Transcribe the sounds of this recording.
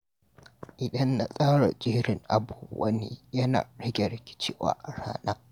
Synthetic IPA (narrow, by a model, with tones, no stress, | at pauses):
ʔɪ˨ɗɐ˦nːa˨sʼaː˦ɽa̰˨d͡ʒiː˦ɽɪ˨ŋʔa˨buː˨ʔʼɐ˦neː˦jɐ˦na̰ː˨ɽɪ˦ɡʲe˨ɽɪ˨kʲɪ̥˦t͡ʃɪː˦wa̰ː˦ʔa˨ɽa̰ː˦na˦ʔ